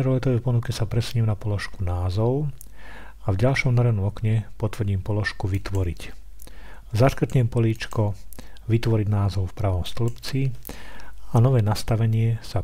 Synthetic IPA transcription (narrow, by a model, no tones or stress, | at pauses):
ɛɾɔlɛt̪ɔʋɛpɔnukɛsapɾɛsuɲimnapɔlɔʃkunaːzɔʊ | avɟalʃɔmnaɾɛanɔmɔkɲɛpɔt̪ʋr̩ɟiːmpɔlɔʃkuʋit̪ʋɔɾic | zaʃkr̩t̪ɲɛmpɔliːt͡ʃkɔʋit̪ʋɔɾiɟnaːzɔʊfpɾaːʋɔmst̪lupt͡si | anɔʋɛːnast̪aʋɛɲɪɛsa